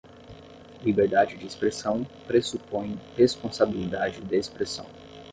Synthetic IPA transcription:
libeɾd̪ad͡ʒɪd͡ʒɪːspɾesɐ̃w̃pɾesupõj̃hespõsabilid̪ad͡ʒɪd̪ɐespɾesɐ̰̃w̃

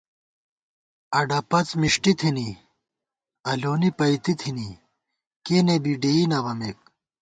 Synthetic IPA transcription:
ɐɖɐpɐt͡smiʂʈit̪ʰini | ɐloːnipɐit̪it̪ʰini | kenebiɖeinɐʋɐmek̚

